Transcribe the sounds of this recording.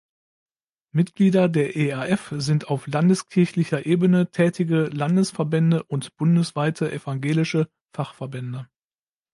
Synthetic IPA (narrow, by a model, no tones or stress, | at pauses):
mɪtɡ̥liːdɐdeːɐʔeːɛɐʔɛfzɪntaʊflandəskʰɪɐçlɪçɐʔeːbənətʰɛːtʰɪɡəlandəsfɛɐbɛndəʔʊntb̥ʊndəsv̥aɪtʰəʔɛfaŋɡeːlɪʃə | faχfɛɐbɛndə